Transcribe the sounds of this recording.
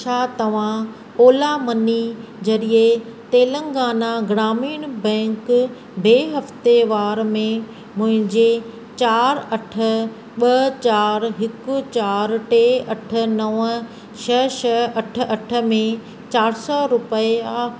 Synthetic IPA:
ʃaːt̪ɐʋ̤ã | oːlamɐnid͡ʑɐɾiet̪eːlə̃ŋɡaːnaɡɾaːmiːɽ̃bɛ̃ːŋk | beːɦɐft̪eʋaːɾmẽ | mʊ̃ɦɪ̃ɲd͡ʑe | t͡ɕaːɾɐʈʰə̆ | ɓɐt͡ɕaːɾɦɪkʊ̆t͡ɕaːɾʈeːɐʈʰə̆nɐʋə | t͡ɕʰɐʃʰɐɐʈ̆ʰɐʈʰə̆mẽ | t͡ɕaːɾsɔɾʊpəea

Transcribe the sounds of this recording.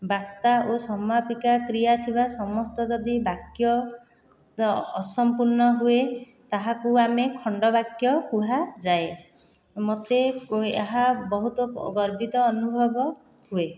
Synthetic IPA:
baɾt̪aʔosɔmapikakɾijat̪ʰibasɔmɔst̪ɔd͡ʒɔd̪ibakjɔ | sɔmpuɾnɔɦue | t̪aɦakuamekʰɔɳɖɔbakjɔkuɦad͡ʒae | mot̪eḛɦabɔɦut̪ɔ̰ɡɔɾbit̪ɔːnubʱɔbɔ | hue

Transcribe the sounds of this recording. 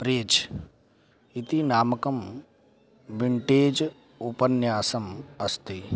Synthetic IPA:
pɾeːt͡ʃ | it̪inaːmɐkɐm | ʋiɳʈeːd͡ʒ | upɐnjaːsɐmɐst̪i

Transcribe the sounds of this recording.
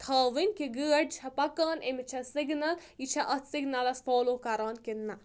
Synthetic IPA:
t̪ʰɐːʋinʲkiɡəːɖ̚t͡ʃʰɐpɐkaːnemit͡ʃʰɐsiɡnɐlit͡ʃʰɐʔɐt̪siɡnɐlɐsfʰoːloːkɐɾaːnkinːɐ

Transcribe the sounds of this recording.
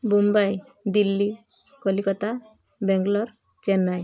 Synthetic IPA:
bumbaj | d̪ilːi | kɔlikɔt̪a | bɛŋɡlɔɾ | t͡ʃɛnːaj

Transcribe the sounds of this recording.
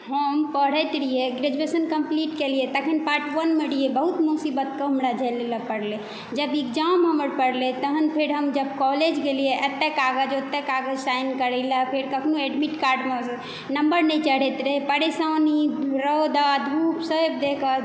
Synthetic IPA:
həmpəɽ̤əjt̪ɾijeɡɾed͡ʒuesənkəmpliʈkelijet̪əkʰinpaɾʈʋənmeɖijebəɦut̪musibət̪̚kəɦəmɾad͡ʒʱəleləpəɽle | d͡ʒəbiɡd͡ʒamɦəməɾpəɽlet̪əɦənpʰeɾɦəmd͡ʒəb̚kɔled͡ʒɡelijeʔət̪ːekaɡəd͡ʒot̪ːekaɡəd͡ʒsajnkəɾɛlapʰeɾkəkʰnoeɖmiʈkaɾɖme | nəmbəɾnɛjt͡ʃəɽ̤ɛt̪ɾepəɾesaniɾəd̪ad̪ʱupsəbd̪ekə

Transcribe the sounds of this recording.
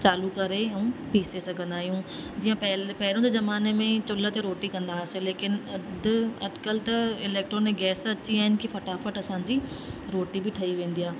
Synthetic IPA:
t͡ɕaːlukɐɾeɛ̃ũpiːsesɐɡʱə̃nd̪aːɦijũːd͡ʑiːjãpɛlpɛɦɪɾõd̪ezɐmaːnemẽt͡ɕʊlət̪eɾoːʈikɐ̃nd̪aːsẽleːkɪnɐd̪ɐ̰d̪kəlt̪ɐɪlɛːk̚ʈɾoneɡɛːsɐt͡ɕiaːɦɪnɪ̆kifɐʈaːfəʈɐsãːd͡ʑiː | ɾoːʈibʱiʈʰɐiʋẽːnd̪ijaː

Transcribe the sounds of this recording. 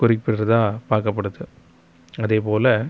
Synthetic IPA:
kʊɾɪpːɪɾɾɐðãːpaːɾkɐpːɐɽɯðɯ | ɐðeːpoːlɐ

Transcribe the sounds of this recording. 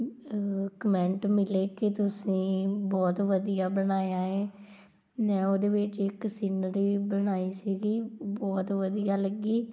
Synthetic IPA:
kəmɛ̃ɳʈmɪleːket̪ʊsĩːbɔːt̪ʋəd̪ijaːbəɽ̃aːjaːɦɛ̃ː | nɛ̃ːoːd̪eːʋɪt͡ʃɪksiːnəɾiːbəɽ̃aːiːsiːɡiːbɔːt̪ʋəd̪ijaːləɡiː

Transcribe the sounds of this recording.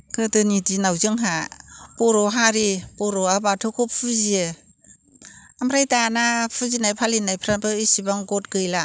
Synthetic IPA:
kʰɯtɯnidinawzɯŋɦapɔɾɔɦaɾipɔɾɔabatʰɔkʰɔpʰuzie | amɾajtanapʰɯzinajpʰalinajpʰɾabɯisibaŋɡɔtɡɯjla

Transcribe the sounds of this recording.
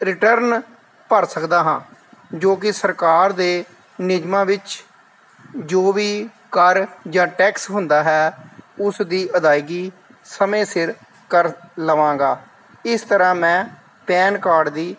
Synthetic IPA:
ɾɪʈəɾn | pəɾsəkd̪aːɦãːd͡ʒoːk̬ɪsəɾkaːɾd̪eː | nɪd͡ʒmãːʋɪt͡ʃ | d͡ʒoːʋiː | kəɾd͡ʒãːʈɛːksɦʊnd̪aːɦɛːʊsd̪iːʔəd̪aːiɡiː | səmẽːsɪɾ | kəɾləʋãːɡaː | ɪst̪əɾãːmɛ̃ː | pɛːnkaːɖd̪iː

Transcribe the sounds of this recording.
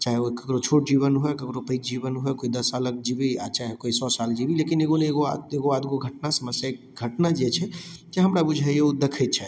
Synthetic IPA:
t͡ʃaɦeokəkɾot͡ʃʰoʈ̚d͡ʒiβənɦoekəkɾopəit͡ʃd͡ʒibənɦoekoid̪əsalək̚d͡ʒibiat͡ʃaɦekoisɔsald͡ʒibilekineɡoneɡoaeɡoad̪ɡoɡʱəʈnasəməsjaekɡʱəʈnad͡ʒet͡ʃʰɛd͡ʒeɦəmɾabud͡ʒʱɛeud̪ekʰɛt̪̚t͡ʃʰɛ

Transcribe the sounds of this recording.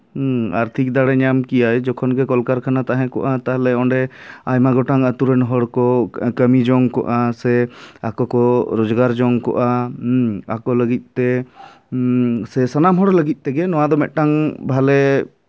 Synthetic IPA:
a̰ɾt̪ʰik̚d̪aɽɛɲamkijajd͡ʒɔkʰɔnɡɛkɔlkaɾkʰanat̪aɦɛ̃kɔ̰ʔat̪aɦlɛɔɳɖɛajmaɡɔʈaŋət̪uɾɛnɦɔɽkɔkəmid͡ʒɔŋkɔ̰ʔasɛakɔkɔɾɔd͡ʒɡaɾd͡ʒɔŋkɔ̰ʔa | akɔləɡit̪̚ˀt̪ɛ | sɛsanamɦɔɽləɡit̪̚t̪ɛɡɛnɔwad̪ɔmɛʔ̪̚ˀʈaŋbʱalɛ

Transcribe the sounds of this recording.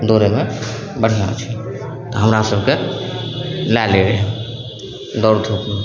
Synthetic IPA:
d̪oːɾeme | bəɽ̤ijat͡ʃʰi | t̪ɔɦəmɾasəbʱke | lɛleɾeɦɛ̃ | d̪ɔɾt̪ʰupme

